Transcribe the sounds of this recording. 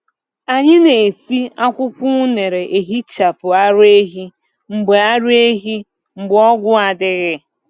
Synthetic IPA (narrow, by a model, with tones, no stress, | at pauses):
a˨ɲɪ˦ne˨si˦a˦kʷʊ˦kʷʊ˦ne˨ɾe˨ʔe˨ɦi˦t͡ʃa˨pʊ˨a˦ɾʊ˦e˦ɦi˦ | ŋ͡m̩˨ɡ͡be˨a˦ɾʊ˦e˦ɦi˦ | ŋ͡m̩˨ɡ͡bɔ˦ɡʷʊ˦a˨dɪ˦ɣɪ˦